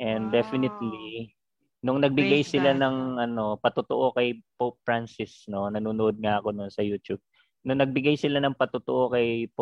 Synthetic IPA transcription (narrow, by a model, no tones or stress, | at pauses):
ʔɛnd̪d̪ɛfɪnɪt̪li | nʊŋnɐɡ̚bɪɡajsɪlanɐŋʔɐno̞pɐt̪ʊt̪o̰ʔo̞kɐjpopːɹansɪsno̞nɐnuːnʊʔod̪̚ŋaʔɐko̞nʊnsɐjuːt̪ub̚ | nʊŋnɐɡ̚bɪɡajsɪlanɐŋpɐt̪ʊt̪oʔo̞kɐjp